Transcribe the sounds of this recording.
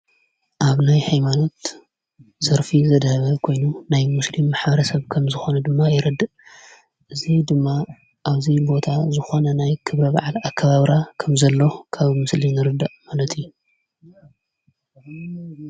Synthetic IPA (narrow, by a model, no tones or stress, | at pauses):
ʔaβnajhajmano̞t̪ | z̥ɐɾfizɐd̪hɐβɐkʰo̞jnunajmuslimːaħbɐɾɐsɐβkʰɐmzɨxo̞nɐd̪ɨmːajɪɾɨd̪ːɨʔ | ʔɨzid̪ɨmːa | ʔaβzibo̞t̪ʰazɨxo̞nɐnajkʰɨβɾɐba̰ʕalakʰːɐβaβɾakʰɐmzɐlːo̞kʰaβmɨslinɨɾɨd̪ːaʔmalɐt̪ʰiju